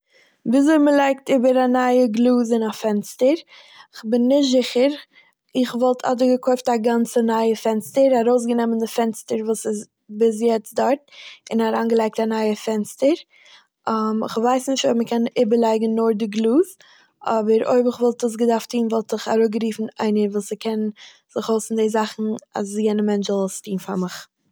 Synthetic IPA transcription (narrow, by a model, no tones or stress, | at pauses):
bɪs̬oməlˠaɪk̚tɪbəɾanaɪəɡlˠuːzɪnafɛnstəɾ | ɪχbɪnːɪʃtzɪχəɾ | ɪχvɔlˠtʰa̰dəɡəkʰɔʏftaɡant͡sənaɪəfɛnstəɾaɾoʊs̬ɡənɛməndɪfɛnstəɾvuːsɪs | bɪs̬jɛt͡sdɔɾtɪnaɾaːnɡəlˠaɪk̚tanaɪəfɛnstəɾ | amɪ̰χvaɪsnɪʃtoɪb̚məkʰɛnɪbəɾlˠaɪɡŋ̩ːʊɾdɪɡlˠuːz | ʔɔbəɾo̰ɪbɪχvɔlˠtəs̬ɡədaftʰiːnvɔlˠtɪχaɾoɡəɾiːfn̩aɪnəɾvuːsɪkʰɛn | zɪχoʊsndeɪzaχn̩a̰sjɛɪnəmɛnt͡ʃzɔlstiːnfa̰ɾmɪχ